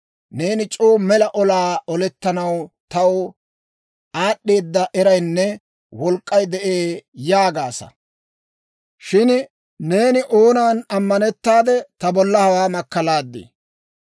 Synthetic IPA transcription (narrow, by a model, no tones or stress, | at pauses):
ne̞ːnɪt͡ʃʼoːmɛlɐʔɔlaːɔlɛt̪ːɐnɐwt̪ɐw | aːɗːe̞ːd̪ːɐʔɛɾɐjnːɛ | wɔlkʼːɐjd̪ɛʔeːjaːɡaːsɐ̰ | ʃɪn | ne̞ːnɪʔoːnaːnɐmːɐnɛt̪ːaːd̪ɛt̪ɐbɔlːɐhɐwaːmɐkːɐlaːd̪ːḛ